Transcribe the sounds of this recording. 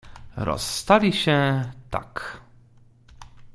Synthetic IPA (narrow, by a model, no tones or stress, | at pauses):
ɾɔ̰st̪alʲiɕɛ̃t̪a̰k